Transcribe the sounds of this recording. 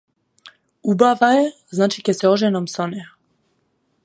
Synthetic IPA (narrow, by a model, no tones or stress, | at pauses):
ubavaɛ | znat͡ʃikɛsɛɔʒɛnɔmsɔnɛ